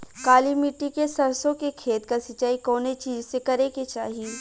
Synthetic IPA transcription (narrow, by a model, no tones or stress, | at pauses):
kaːlimiʈːikesɐɾsõkekʰeːt̪kasɐt͡ʃːaːikɔːnet͡ʃiːzsekɐɾeket͡ʃaːɦi